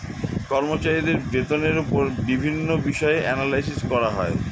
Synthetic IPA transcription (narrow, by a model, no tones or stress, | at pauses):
kɔɾmot͡ɕaɾid̪eɾbet̪oneɾupoɾbibʱinːobiʃɔeʔɛnalajsiskɔɾaɦɔe